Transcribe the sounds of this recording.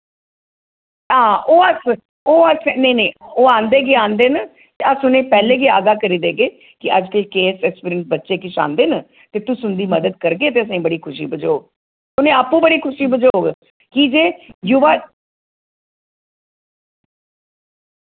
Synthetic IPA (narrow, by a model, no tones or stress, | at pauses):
ɦãːʔoːəs | oːəsnəinẽːoːãːnd̪eːɡeːãːnd̪eːnə | t̪eːəsʊnẽːpɛːleːɡeːaːɡaːkəɾiːd̪eːɡeː | kɪʔəd͡ʒkəlkeːsɛkspɾɪŋʈ̚bətːʃeːk̬ɪʃa̰ːnd̪eːnə | t̪eːt̪ʊsʊnd̪iːməd̪əd̪̚kəɾɡeːt̪eːəs̬ãːiːbəɽiːkʰʊʃḭːbəd͡ʒoːoː | t̪ʊnẽːaːpːũːbəɽiːkʰʊʃiːbəd͡ʒoːoːɡ | kid͡ʒeːjuʋaː